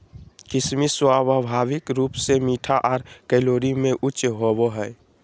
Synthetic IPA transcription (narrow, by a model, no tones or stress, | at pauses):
kɪsmiswababʱaːʋɪkɾuːpsemiːʈʰaʔɔːɾkɛloːɾimẽʔʊt͡ʃɦoboɦɛː